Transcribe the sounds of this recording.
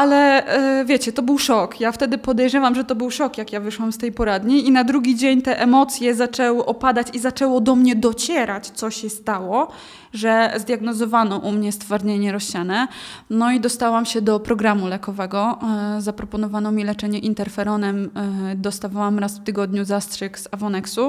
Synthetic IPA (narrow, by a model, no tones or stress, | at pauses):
alɛvʲjet͡ɕɛt̪ɔbɘwʂɔkjaft̪ɛd̪ɘpɔd̪ɛjʐɛvamʐɛt̪ɔbɘwʂɔkjakjavɘʂwamst̪ɛjpɔɾad̪ɲiinad̪ɾuɡʲid͡ʑeɲt̪ɛʔɛmɔt̪sʲjɛzat͡ʂɛwɘʔɔpad̪at͡ɕizat͡ʂɛwɔd̪ɔmɲɛd̪ɔt͡ɕɛɾat͡ɕt̪sɔɕɛst̪awɔ | ʐɛzd̪ʲjaɡnɔzɔvanɔʔumɲɛst̪faɾɲeɲɛɾɔɕt͡ɕanɛnɔid̪ɔst̪awamɕɛd̪ɔpɾɔɡɾamulɛkɔvɛɡɔzapɾɔpɔnɔvanɔmʲilɛt͡ʂɛɲɛʔint̪ɛɾfɛɾɔnɛmd̪ɔst̪avawamɾasft̪ɘɡɔd̪ɲuzastʂɛkz̥avɔnɛksu